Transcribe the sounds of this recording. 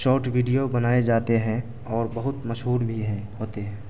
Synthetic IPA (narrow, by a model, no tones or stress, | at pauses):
ʃɔːɾʈʋiːɖijobɐnaːed͡ʒaːt̪eɦɛ̃ | ɔːɾbɐɦʊt̪mɐʃɦuːɾbʱiɦɛ̃ɦoːt̪eɦɛ̃ː